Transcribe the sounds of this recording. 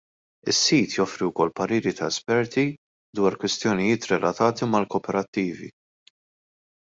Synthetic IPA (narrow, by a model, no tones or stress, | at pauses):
ɪsːiːt̪jɔfɾiwkɔlːpɐɾiːɾit̪ɐɛspɛɾt̪i | d̪wɐːɾkwɪst̪jɔnɪjɪːt̪ɾɛlɐt̪ɐːt̪imɐlkɔːpɛɾɐt̪ːiːvḭ